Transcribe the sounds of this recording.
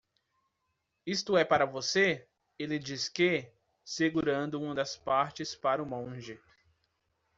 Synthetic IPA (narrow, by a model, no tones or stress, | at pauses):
ist̪ʊɛpaɾɐvose | elɪd͡ʒiske | seɡuɾɐ̃nd̪ʊũɐd̪ɐspaɾt͡ʃɪspaɾʊmõʒɪ